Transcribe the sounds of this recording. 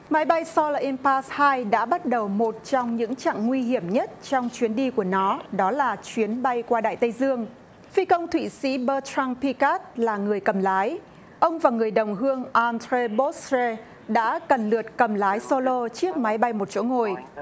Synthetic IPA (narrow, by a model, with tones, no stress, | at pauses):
ma˨˦jɓa˧jsɔ˧lʔi˧mpaː˧˥shaː˧jɗa̰ː˧˥ɓa˦˥t̚ɗə˨˩wmo˨˩t̚t͡ɕɔ˧wŋ͡mɲɨ̰˧˥ŋt͡ɕa̰ː˧˨ŋːwi˧ɦi˧˩əmɲə˦˥t̚t͡ɕɔ˧wŋ͡mt͡ɕwi˨˦ənɗi˧ku˧˩ənɔ˨˦ɗɔ˨˦laː˨˩t͡ɕwi˨˦ənɓa˧jkwaː˧ɗa̰ː˧˨jt̪ə˧jzɨ˧əŋ | fi˧kə˧wŋ͡mt̪ʰwḭ˧˨sḭ˧˥ɓəː˧ta˧ŋpi˧ka˦˥t̚laː˨˩ŋɨ˨˩əjkə˨˩mlaː˨˦j | ʔə˧wŋ͡mvaː˨˩ŋɨ˨˩əjɗə˨˩wŋ͡mɦɨ˧əŋʔa˧ntɾe˧ɓo˦˥sze˧ | ɗa̰ː˧˥kə˨˩nlɨ˨˩ət̚kə˨˩mlaː˨˦jso˧lo˧t͡ɕɨ˦˥ək̚ma˨˦jɓa˧jmo˨˩t̚t͡ɕo̰˧˥ŋo˨˩j